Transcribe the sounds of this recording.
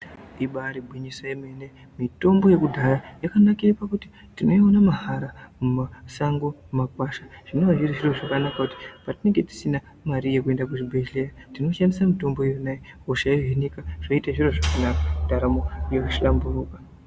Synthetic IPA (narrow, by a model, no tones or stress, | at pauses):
ɗiɓaːɾibʱwiɲiswajemene | mito̞mbo̞je̞kudʱaɾajakanakirepakuti | tino̞ionamaɦaɾamumasaŋɡomumakwaʃḁʐ̥ino̞ʋaʐiriʐiro̞ʐakanakakuti̥patine̞ŋɡe̞ti̥sina | maɾijekue̞ndakuʐibʱeɮe̞jatino̞ʃandisamito̞mboijonajeoʃaioʐenikaʐ̥oitaʐiro̞ʐakanakaudʱaɾamojekuʃlamburuːkḁ